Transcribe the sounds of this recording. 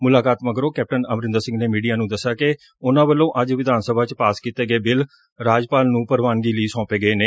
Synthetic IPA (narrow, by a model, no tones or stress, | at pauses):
mʊlaːkaːt̪məɡɾõːkɛːp̚ʈənəmɾɪ̃nd̪əɾsɪ̃ŋɡneːmiːɖijaːnũːd̪əsaːke | ʊnãːbəlːõːʔəd͡ʒʋɪd̪ʱaːnsəbʱaːt͡ʃpaːskiːt̪eːɡəeːbɪl | ɾaːd͡ʒpaːlnũːpəɾʋaːnɡiːləiːsɔ̃ːpeːɡəeːneː